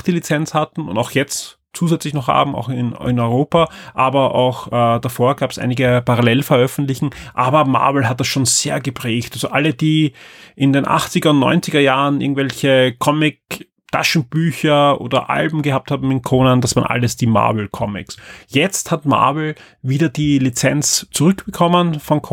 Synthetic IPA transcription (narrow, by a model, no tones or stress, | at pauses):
xd̥iːlit͡sɛnt͡shatn̩ʊ̰ndaʊxjɛt͡st | t͡suːzɛt͡slɪçnɔχha̰ːbm̩a̰ʊxɪnɪnɔʏʁoːpaʔaːbɐʔa̰ʊxʔɛːd̥afoːɐɡaːpɛsʔa̰ɪnɪɡəpaʁalɛlfɛɐʔœfn̩tlɪçŋ̩ʔaːbɐma̰ɐvl̩ɦat̚d̥asʃoːnz̥eːɐɡəpʁ̥ɛːçtalzoʔaləd̥iːʔɪndeːnʔa̰χt͡sɪɡɐʊntnɔ̰ʏnt͡sɪɡɐjaːʁənɪɐɡŋ̩tvɛlçəkʰɔmɪk̚ | tʰa̰ʃn̩b̥yːçɐʔo̰ːdɐ̰ʔa̰lbm̩ɡəhaːp̚thaːb̚m̩ɪnkʰoːnandasv̥aːɐnʔa̰ləsd̥iːma̰ɐvl̩kʰɔmɪ̰ksjɛt͡sthatma̰ɐvl̩ | viːdɐdiːlit͡sɛnt͡st͡sʊʁʏkb̥əkʰɔmənfɔnkʰ